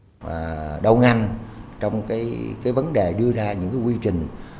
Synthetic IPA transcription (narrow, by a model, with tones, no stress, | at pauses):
ɗə˧wŋa˧jnt͡ɕɔ˧wŋ͡mkaː˨˦jkaː˨˦jvə˨˦nɗe˨˩ɗɨ˧əzaː˧ɲɨ̰˧˥ŋkaː˨˦jkwi˧t͡ɕï˨˩ŋ̟